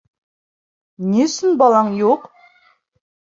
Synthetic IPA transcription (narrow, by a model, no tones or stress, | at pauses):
nesɪnbɑlˠɑɴjoq